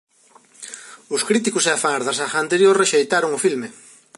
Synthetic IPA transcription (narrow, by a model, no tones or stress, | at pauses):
ʊskɾit̪̬ikʊseafaɾðasaxaːnt̪eɾjoɾreʃejt̪aɾʊŋʊfilmɪ